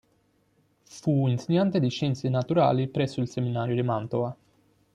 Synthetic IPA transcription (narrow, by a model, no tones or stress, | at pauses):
fuinseɲːant̪ed̪iʃɛnt̪senat̪uɾa̰ːlipɾɛsːoilseminaːɾjod̪imant̪oa